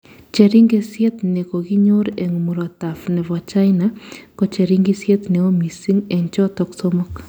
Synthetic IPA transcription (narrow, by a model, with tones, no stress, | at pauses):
t͡ʃe˨ɾi˦ŋɡe˦sjɛ˦t̪ne˨ko˨ɡi˦ɲo˦ɾe˨ŋu˨mu˨ɾɔ˨t̪a˨fnɛ˨vɔ˨t͡ʃa˦ɪna˦kɔ˦t͡ʃe˨ɾi˦ŋɡi˦sjɛ˦t̪ne˨o˦mi˨si˦ŋɛ˨ɲt͡ʃɔ˦t̪ɔ˦ksɔ˦mɔ˦k